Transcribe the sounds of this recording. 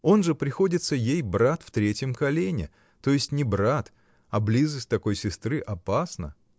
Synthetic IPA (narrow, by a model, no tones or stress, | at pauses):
o̞nʐɨpɾʲɪxo̞dʲɪt̪səjejbɾat̪ft̪ɾʲetʲjəmkɐlʲenʲɪ̰ | t̪o̞jɪsʲtʲnʲɪbɾat̪ | ɐblʲizəsʲtʲt̪ɐko̞jsʲɪst̪ɾɨʔɐpasnə̰